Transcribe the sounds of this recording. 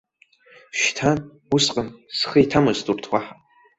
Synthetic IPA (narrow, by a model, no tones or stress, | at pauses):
ʃtʰan | usqʼənsχəitʰamɨztʼurtʰwaħa